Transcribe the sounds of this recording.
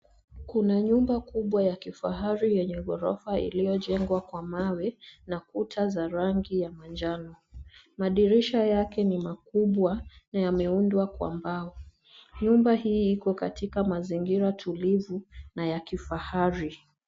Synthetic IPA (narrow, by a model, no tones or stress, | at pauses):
kunaɲumbakuɓwajakifaɦaɾijɛɲɛɠɔɾɔfaḭlijɔʄɛŋɡwakwamawɛnakutʰazaɾaŋɡijamand͡ʒanɔ | maɗiɾiʃajakɛnimakuɓwanajamɛundwakwa̰mbaɔ | ɲumbahiːikɔkatikamaziŋɡiɾatʰulivunajakifahaɾi